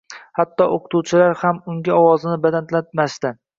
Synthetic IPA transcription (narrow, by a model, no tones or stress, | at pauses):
hat̪ʰːɒʔoqʰʊ̥t̪ʰuwt͡ʃʰɪlaɾhamʊŋɡʲɪɒwɒzɪnɪbad̪ant̪lat̪maʃd̪ɪ